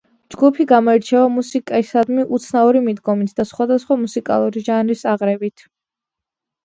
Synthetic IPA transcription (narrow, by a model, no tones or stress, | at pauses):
d͡ʒɡupʰiɡamɔɛɾt͡ʃʰɛvamusikʼɛsad̪miʔut̪sʰnauɾimid̪ɡɔmit̪ʰd̪asχwad̪asχwamusikʼa̰lˠuɾiʒanɾisaʁɾɛbit̪ʰ